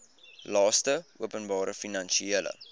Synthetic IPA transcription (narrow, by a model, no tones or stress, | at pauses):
lɑːstəuəpənbɑːɾəfinɐnʃieələ̰